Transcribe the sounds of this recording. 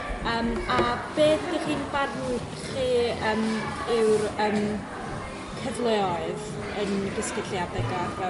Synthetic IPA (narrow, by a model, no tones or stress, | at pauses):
əːmab̥eːθd̥iχiːnbarnuk | χiːəːmɪwrəːm | kʰəvlˠɛɔɨð | ənɡəskɪɬjadɛɡlˠanvɛ